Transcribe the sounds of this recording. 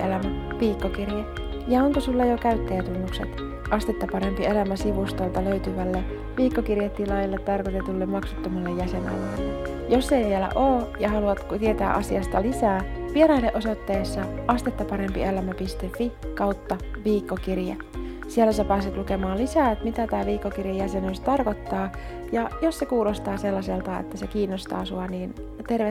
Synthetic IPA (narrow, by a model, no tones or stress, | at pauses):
elæmæ | ʋiːkːokirje | jɑoŋkosulːɑjokæyt̪ːejæt̪unːukset̪ | ʔɑst̪et̪ːɑpɑɾe̞mpielæmæsiʋust̪olt̪ɑløyt̪yʋælːe | ʋiːkːokirjet̪ːilɑjɑlːet̪ːɑrkot̪et̪ulːemɑksu̥t̪ːomɑlːejːæsenɑ̰lɑlːe | josːejʋielæ̰ʔoːjɑhɑluɑt̪kut̪ie̞t̪æ̰ːʔɑsiɑst̪ɑlisæːʋieɾɑjlːeʔosot̪ːeːsːɑɑst̪et̪ːɑpɑɾempḭelæmæpist̪efːikɑwt̪ːɑʋiːkːokirjæ | sielːæsæpæːset̪luke̞mɑːlisæːet̪mit̪æt̪æːʋiːkːokirjejæsenyst̪ɑrko̞t̪ːɑː | jɑjossekuːlost̪ɑːse̞lːɑse̞lt̪ɑḛt̪ːæsekiːnːost̪ɑ̰ːsuɑniːn | t̪erʋe